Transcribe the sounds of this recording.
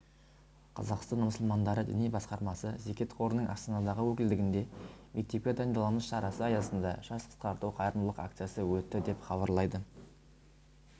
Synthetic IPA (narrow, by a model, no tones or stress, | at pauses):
qʰɑ̰zɑqst̪ɑnməsəlˠmɑnd̪ɑɾəd̪ɪ̰nijbɑsqɑɾmɑsəze̞kʲe̞t̪qʰo̞ɾənəɴʔɑ̰st̪ɑnɑd̪ɑʁəwɵkʲɪld̪ɪɡʲɪnd̪e̞me̞k̚t̪e̞p̚kʲed̪ɑnd̪ɑlˠɑməsʃɑɾɑsəɑjɑsənd̪ɑ̰ʒɑsqʰə̥sqɑɾt̪uwqʰɑjɾənlˠəqa̰kt̪sijasəwɵt̪ːɪd̪e̞pχɑβɑɾlˠɑjd̪ə